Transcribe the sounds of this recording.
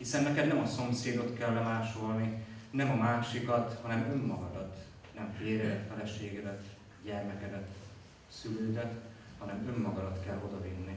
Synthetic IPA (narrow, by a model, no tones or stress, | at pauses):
hisɛnːɛkɛd̪nɛmɒso̞mseːd̪o̞t̪kɛlːɛmaːʃo̞lninɛmɒmaːʃikɒt̪hɒnɛmø̞mːɒɡɒd̪ɒt̪ | nɛmfeːɾɛd̪ɛt̪fɛlɛʃeːɡɛd̪ɛt̪ | ɟɛrmɛkɛd̪ɛt̪ | syløːd̪ɛt̪ | hɒnɛmø̞mːɒɡɒd̪ɒt̪kɛlːo̞d̪ɒvinːi